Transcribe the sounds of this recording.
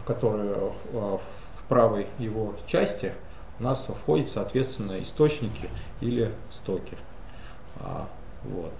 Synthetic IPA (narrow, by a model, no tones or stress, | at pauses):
fkɐt̪o̞ɾəjʊ | fpɾavəjːɪvo̞t͡ɕæsʲtʲɪ | ʊnasfxo̞dʲɪt̪sɐːt̪vʲe̞t̪st̪vʲɪnːəɪ̰st̪o̞t͡ɕnʲɪkʲɪ | ilʲɪ | st̪o̞kʲɪ | a̰ | vo̞̰t̪